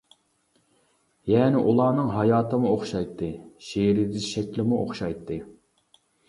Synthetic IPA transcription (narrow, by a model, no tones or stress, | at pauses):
jɛːnɪʔulˠɑːnɨŋɦɑjɑːt̪ɨmuoχʃɑjt̪ʰːɨʃiɾɪd̪ɪʃɛkʲlɪmuʔo̰χʃɑjt̪ʰːɨ